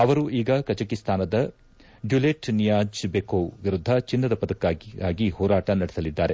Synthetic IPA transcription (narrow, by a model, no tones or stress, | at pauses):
ɐʋɐɾuʔiːɡɐkɐt͡ʃɐkist̪ʰaːnɐd̪ɐ | ɖjuleʈnijaːd͡ʒbekoːʋiɾud̪ʱːɐt͡ʃinːɐd̪ɐpɐd̪ɐkːaːaːɡihɔːɾaːʈɐnɐɽɛsɐlid̪ːaːɾe̞